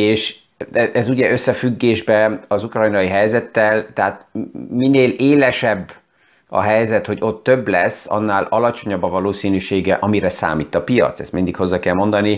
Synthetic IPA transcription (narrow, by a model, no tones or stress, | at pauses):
eːʃ | ɛʔɛzuɟɛʔøsːɛfyɡːeːʒbɛɒzukrɒjnɒiɦɛjzɛt̪ːɛlt̪ɛɦat̪mineːleːlɛʃɛbː | ɒ̰ɦɛjzɛt̪ho̞ɟo̞t̪ːøbːlɛsːɒ̰nːaːlɒlɒt͡ʃo̞ɲɒbːɒvɒloːsiːnyʃeːɡɛʔɒmiɾɛsa̰ːmiːt̪ːɒpijɒ̰t̪sɛ̰st̪mind̪ikho̞zːɒkɛlmond̪ɒni